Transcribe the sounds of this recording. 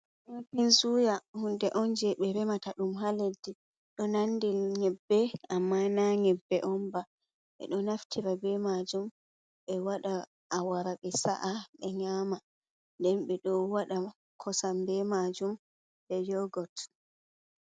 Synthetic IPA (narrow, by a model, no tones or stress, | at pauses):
ʔɔnpinsujahundɛʔɔnd͡ʒɛɓɛɾɛmataɗumɦaledːi | ɗɔnandilɲɛbːɛamːanaɲɛbːɛʔɔmba | ɓɛ̰ɗɔnaftʰiɾabɛmad͡ʒum | ɓɛwaɗa | ʔawaɾaɓɛsa̰ʔaɓɛɲaːma | ndɛnɓɛɗɔwaɗa | kʰɔsambɛmad͡ʒum | bɛd͡ʒɔɡɔt